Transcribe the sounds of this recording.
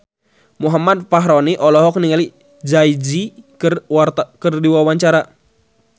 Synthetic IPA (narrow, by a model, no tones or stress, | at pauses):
muɦamad̪̚paɦɾɔniʔɔlɔɦɔk̚niŋali | d͡ʒaid͡ʒikɨrkərdiwawaɲt͡ʃaɾa